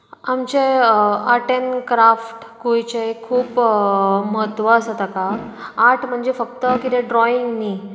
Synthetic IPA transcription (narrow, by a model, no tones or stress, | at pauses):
amt͡ɕeəʈenkɾafʈkujt͡ɕekʰuːp | məɦət̪ʋəəsət̪akaaʈʰm̤əɳd͡zefəkt̪əkit̪eɖɾɔiŋɡniː